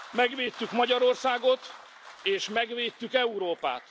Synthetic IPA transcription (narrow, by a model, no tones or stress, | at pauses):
mɛɡʋeːt̪ːykmɒɟɒɾo̞rsaːɡo̞t̪ | eːʃmɛɡʋeːt̪ːykɛuɾoːpa̰ːt̪